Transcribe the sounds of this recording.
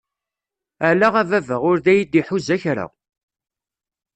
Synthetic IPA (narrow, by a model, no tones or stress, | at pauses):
ælaʁævævəʁʊɾðæjid̪iħuzæçɾa̰